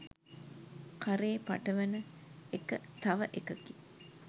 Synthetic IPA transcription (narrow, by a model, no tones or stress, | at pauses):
kaɾeːpa̰ʈəʋɐnəekət̪aʋəʔekəki̥